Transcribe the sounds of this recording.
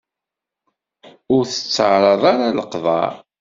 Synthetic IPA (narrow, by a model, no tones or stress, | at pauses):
ʊɾθə̥t͡sːəʕɾˤɑðˤaɾaləqðˤɑ̰ɾˤ